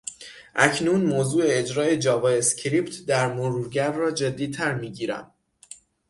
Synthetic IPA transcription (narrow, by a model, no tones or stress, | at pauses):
ʔæcʰnuːnmoːzuːeed͡ʒɾɒːe̞d͡ʒɒːvɒːescʰɾiːpt̪ʰd̪æɾmoɾuːɾɟæɾːɒːd͡ʒe̞d̪ːiːt̪ʰæɾmiːɟiːɾæ̰m